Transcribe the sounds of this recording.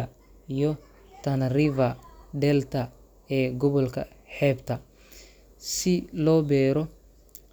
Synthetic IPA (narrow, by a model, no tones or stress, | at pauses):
ijɔ | t̪ʰɐnɐrɪvɐɖ̪ɛlt̪ʰɐ | ɛːɡɔβɔlkʰɐ̰ħɛːbt̪ʰɐ | sɪlɔːbɛːɾɔ